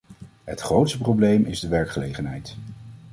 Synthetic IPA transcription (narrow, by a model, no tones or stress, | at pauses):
ɦətχrowtstəprowblejmʔɪzdəʋɛɹkχəlejχənɦɛjt